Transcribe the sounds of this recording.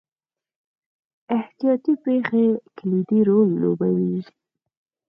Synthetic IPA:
ɪht̪ijɑt̪ipexeklid̪iɾolːo̰bawiʒi

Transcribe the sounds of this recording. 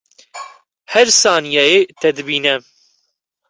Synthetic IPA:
hɛɾsaːnijɛjet̪ɛd̪ɨbiːnɛ

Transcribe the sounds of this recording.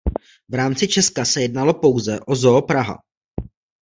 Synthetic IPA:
vɾaːmt͡sɪt͡ʃɛskasɛjɛdnalo̞po̞wzɛʔo̞zoːpɾaɦa̰

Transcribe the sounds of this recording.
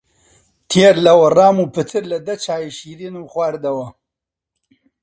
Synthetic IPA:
t̪ʰeːɾlɐwɐraːmupɨt̪ʰɨɾlɐd̪ɐt͡ʃʰaːjiʃiːɾiːnuːxwaːɾd̪ɐwɐ

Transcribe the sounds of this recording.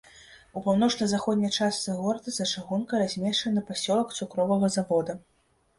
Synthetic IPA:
upawnɔt͡ʂnɐjzaxɔd̪ʲnʲɐjt͡ʂast̪sɨɣɔɾɐd̪ɐzɐt͡ʂaɣunkɐɾazʲmʲɛʂt͡ʂɐnɐpasʲɔlˠɐkt̪sukɾɔvɐɣɐzavɔd̪ɐ

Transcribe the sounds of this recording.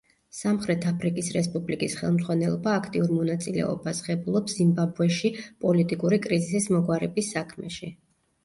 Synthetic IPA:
samχɾɛt̪ʰapʰɾikʼisɾɛspʼublikʼisχɛ̰lˠmd̪zʁwanɛlˠɔbaːkʰt̪ʼiuɾmɔnat̪sʼilɛ̰ɔ̰basχɛbulˠɔpszimbabuɛʃipʼɔlit̪ʼikʼuɾikʼɾizisismɔɡwaɾɛbisːakʰmɛ̰ʃi

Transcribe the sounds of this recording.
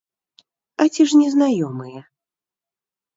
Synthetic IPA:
ɐt͡sʲiʐnʲɛznajɔmɨjɛ

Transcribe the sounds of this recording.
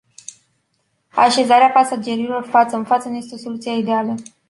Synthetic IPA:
a̰ʃe̞zaɾeapasad͡ʒe̞ɾilo̞rfat̪səɨnfat̪sənuje̞st̪eo̞so̞lut̪sieid̪ealə

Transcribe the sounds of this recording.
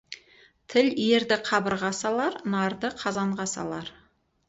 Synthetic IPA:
t̪ʰɪlieɾd̪ɪqʰɑbəɾʁɑsɑlˠɑɾnɑɾd̪əqʰɑzɑɴʁɑsɑ̰lˠɑɾ

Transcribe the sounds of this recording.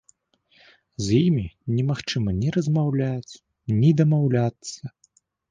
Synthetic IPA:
zjimʲinʲɛmaxt͡ʂɨmɐnʲɛɾɐzmawlʲat͡sʲ | nʲid̪ɐmawlʲat̪sɐ

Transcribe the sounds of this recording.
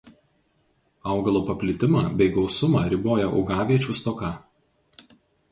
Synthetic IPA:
ɐˑʊɡɐlˠoːpɐpʲlʲɪt̪ʲɪmɑːbʲɛɪɡɒʊsʊmɑːɾʲɪboːjɛʔɔ̰ʊɡɑːʋʲiɛt͡ʃʲuːˑst̪ɔkɑ

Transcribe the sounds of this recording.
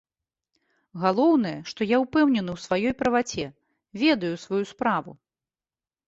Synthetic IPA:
ɣalˠɔwn̪ɐjɛʂt̪ɔjauwpɛwnʲɛnɨwsvajɔjpɾɐvat͡sʲɛ | vʲɛd̪ɐjusvajuspɾavṵ

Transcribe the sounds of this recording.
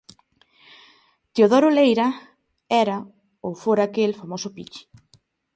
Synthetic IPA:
t̪ioðɔɾolejɾɐ | ɛɾɐ | owfoɾakelfamosʊpḭt͡ʃɪ̥

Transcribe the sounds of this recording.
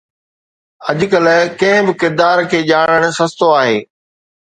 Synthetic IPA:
ɐʄʊkəlkɐ̃ɦɪ̃bɪkɪɾd̪aːɾkʰeːʄaːɽ̃əɽ̃̆sɐst̪oaːɦeː

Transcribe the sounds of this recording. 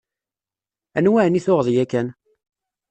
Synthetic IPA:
ænwæʕniθʊʁðˤjækːæn

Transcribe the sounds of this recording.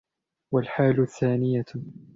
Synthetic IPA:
walħaːlʊθːaːnɪja

